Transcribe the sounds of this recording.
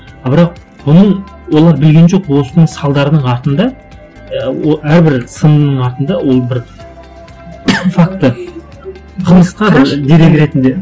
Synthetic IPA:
bɪɾɑq̚ | bʊnəɴ | wo̞lˠɑɾbɪlɡʲe̞nʒo̞qwo̞sənəɴsɑlˠd̪ɑɾəd̪əɴɑɾt̪ənd̪ɑ | əwoæɾbɪɾsənnəɴɑɾt̪ənd̪ɑwo̞lˠbɪɾ | fak̚t̪ːə | qʰəlˠməsqɑbɪɾd̪e̞ɾe̞ɡʲɪɾe̞t̪ɪnd̪e̞

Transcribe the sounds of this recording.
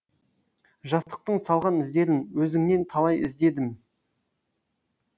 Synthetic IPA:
ʒɑst̪ə̥q̚t̪əɴsɑlˠʁɑnɪzd̪e̞ɾɪnwɵzɪŋne̞nt̪ʰɑlˠɑjɪ̰zd̪e̞d̪ɪm

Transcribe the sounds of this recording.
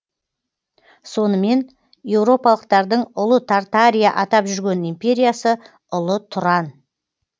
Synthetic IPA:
so̞nəme̞n | je̞wɾo̞pɑlˠəq̚t̪ɑɾd̪əɴʊlˠət̪ʰart̪aɾʲijaʔɑt̪ɑpʒʏɾɡʲe̞nimpʲe̞ɾʲijasə | ʊlˠət̪ʰʊɾɑn

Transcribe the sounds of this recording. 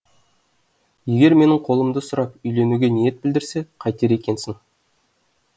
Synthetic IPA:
je̞ɡʲe̞ɾme̞nɪɴqʰo̞lˠəmd̪əsʊɾɑp̚ʏjle̞nuɡʲenije̞t̪̚bɪld̪ɪɾse̞qʰɑjt̪eɾe̞kʲe̞nsɪŋ

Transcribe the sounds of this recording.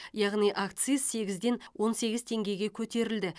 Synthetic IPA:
jɑʁnijʔakt̪sɨzse̞ɡʲɪzd̪e̞nwʔo̞nse̞ɡʲɪzt̪ʰe̞ŋɡʲe̞jɡʲe̞kʲʰɵt̪e̞ɾɪld̪ɪ

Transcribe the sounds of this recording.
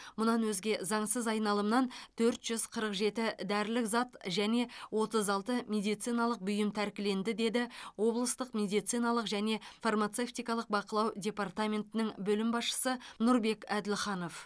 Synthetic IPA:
mʊnɑnwɵzɡʲe̞zɑɴsəzɑjnɑlˠəmnɑnt̪ʰɵɾt̪ʒ̥ʏzqʰəɾəqʒe̞t̪ɪd̪æɾlɪkzɑt̪ʒæne̞wo̞t̪əzɑlˠt̪əmʲe̞d̪ijt̪sijnɑlˠəq̚bʏjɪmt̪ʰæɾkʲɪle̞nd̪ɪd̪e̞d̪ɪwo̞blˠəst̪əqmʲe̞d̪ijt̪sijnɑlˠəqʒæne̞farmat̪se̞ft̪ijkɑlˠəq̚bɑqəlˠɑwdʲe̞part̪amʲe̞nt̪ɪnɪŋbɵlɪmbɑsʃə̥sənʊɾbe̞kæd̪ɪlχɑno̞f

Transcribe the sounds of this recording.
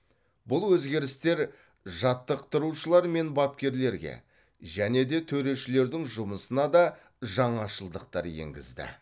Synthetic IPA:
bʊlˠwɵzɡʲe̞ɾɪst̪e̞ɾ | ʒɑt̪ːəqt̪ːəɾuʃəlˠɑɾme̞nbɑp̚kʲe̞ɾle̞ɾɡʲḛ | ʒæne̞d̪e̞t̪ʰɵɾe̞ʃɪle̞ɾd̪ɪŋʒʊməsənɑd̪ɑ | ʒɑɴɑʃəlˠd̪əqt̪ɑ̰ɾjḛŋɡʲɪ̰zd̪ɪ̰

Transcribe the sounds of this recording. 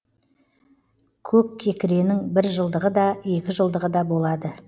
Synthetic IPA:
kʲʰɵp̚kʲʰe̞kʲɪɾe̞nɪŋbɪɾʒəlˠd̪əʁəd̪ɑe̞kʲɪʒəlˠd̪əʁəd̪ɑbo̞lˠɑd̪ə

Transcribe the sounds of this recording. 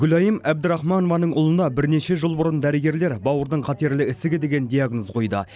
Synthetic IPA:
ɡʲʏlɑjəmæbd̪ɪɾɑχmɑnovɑnəɴʊlˠənd̪ɑbɪɾne̞ʃe̞ʒəlˠbʊɾənd̪æɾɪɡʲe̞ɾle̞ɾbɑwəɾd̪əɴqʰɑt̪e̞ɾlɪɪsɪɡʲɪd̪e̞ɡʲe̞nd̪ʲijaɡnozqʰo̞jd̪ə̰

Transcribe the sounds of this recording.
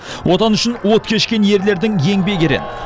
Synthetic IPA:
wʔo̞t̪ɑnʏʃɪnwot̪kʲʰe̞ʃkʲe̞nje̞ɾle̞ɾd̪ɪŋje̞ŋbe̞ɡʲeɾḛn

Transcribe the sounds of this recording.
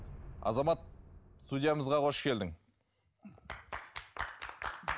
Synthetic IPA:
ɑ̰zɑmɑt̪̚st̪udʲijaməzʁɑqʰo̞ʃkʲe̞ld̪ɪŋ

